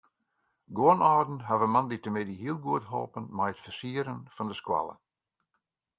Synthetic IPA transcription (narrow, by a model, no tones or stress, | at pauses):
ɡoənɔːdn̩ɦavəmanditəmɪdiɦiəlˠɡuətɦɔ̰lˠpənmɛjətfərsiəɾənfɔndəskwa̰lˠə̰